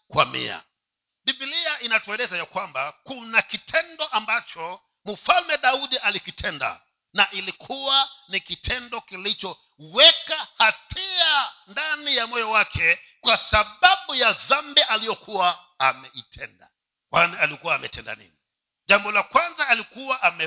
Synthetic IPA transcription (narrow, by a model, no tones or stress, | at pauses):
kwa̰mḭa̰ | ɗibiliaʔinatuɛlɛzajakwambakunakitʰɛndɔʔambat͡ʃɔ | m̩falmɛɗauɗiʔalikitʰɛnda̰ | naʔilikʰuwanikitʰɛndɔkilit͡ʃɔ | wɛkahatʰiandanijamɔjɔwakʰɛ | kwasaɓaɓujaðambɛʔalijɔkʰuwa | amɛitʰɛnda̰ | kwanialikuwaːmɛtɛnda̰nḭni | ʄambɔlakwanzaːlikuwaʔamɛ